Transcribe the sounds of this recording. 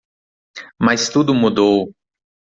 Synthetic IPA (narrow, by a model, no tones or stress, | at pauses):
mɐst̪ud̪ʊmud̪ow